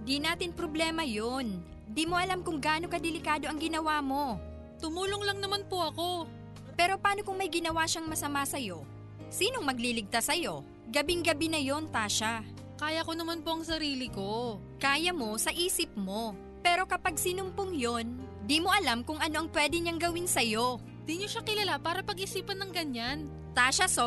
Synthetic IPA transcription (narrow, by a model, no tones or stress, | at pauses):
d̪inaːt̪ɪnpɾo̞blɛːmɐjon | d̪imo̞ʔɐlamkʊŋɡaːnokɐd̪ɛlɪkaːd̪o̞ʔɐŋɡɪnɐwaːmo̞ | t̪ʊmuːloŋlɐŋnɐmanpoʔɐko̞ | pɛːɾo̞paːno̞kʊŋmɐjɡɪnɐwaʃaŋmɐsɐmasɐjo̞ | siːno̞ŋmɐɡ̚lilɪɡ̚t̪asːɐjo̞ | ɡɐbɪŋɡɐbinɐjo̞nt̪aːʃa | kaːjɐko̞nɐmanpoɐŋsɐɾiːlɪko̞ | kaːjɐmo̞sɐʔiːsɪp̚mo̞ | pɛːɾo̞kɐpaɡ̚sinʊmpʊŋjo̞n | d̪imo̞ʔɐlamkʊŋʔɐno̞ʔɐŋpwɛd̪ɛɲaŋɡɐwɪnsɐjo̞ | d̪iɲoʃakɪlɐlapaːɾɐpɐɡʔɪsiːpɐnːɐŋɡɐɲan | t̪aːʃɐso